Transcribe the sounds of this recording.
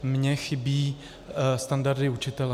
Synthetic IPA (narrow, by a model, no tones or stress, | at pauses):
mɲɛxɪbiː | st̪andaɾdɪut͡ʃɪt̪ɛl